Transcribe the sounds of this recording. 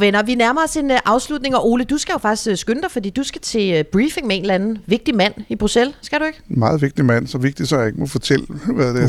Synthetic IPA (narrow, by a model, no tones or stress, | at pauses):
ʋenɐʋinæɐmɐɒse̝nʔɑ̈ʊslud̥̚ne̝ŋɒ̽ʔo̝ːləd̥usɡ̥æjo̝fɑ̈ɡ̥d̥i̥sɡ̥sɡ̥ønəd̥ɑ̈ɪfɒ̽d̥ḭːd̥usɡ̥æt͡sʰe̝b̥ʁiːfe̝ŋmee̝n̩lænð̩ʋe̝ɡ̥̚d̥imæn̰ib̥ʁuselsɡ̥æɾ̥ue̝ɡ̥mɑ̈ːð̞̩ˠʋe̝ɡ̥d̥imæn̰sɒ̽ʋe̝ɡ̥̚d̥i̥sɒjae̝ɡ̥əmofɒt͡sʰel̰əʋæd̥e